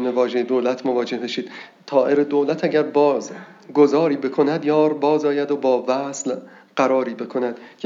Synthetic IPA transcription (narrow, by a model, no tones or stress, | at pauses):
mevɒːʒed̪oːlæt̪ʰmovɒːd͡ʒe̞hbeʃiːd̪̚ | t̪ʰɒːʔe̞ɾed̪oːlæt̪ʰæɟæɾbɒːz | ɡozɒːɾiːbe̞kʰo̞næd̪jɒːɾbɒːzɒːjæd̪obɒːvæsl | ɢ̥æɾɒːɾiːbe̞kʰo̞næd̪̥cʰ